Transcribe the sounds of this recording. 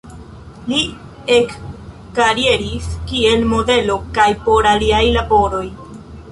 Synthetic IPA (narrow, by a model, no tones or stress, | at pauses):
li | ekː | aɾie̞ɾiskie̞lmo̞de̞lo̞kajpo̞ɾaliajlabo̞ɾo̞j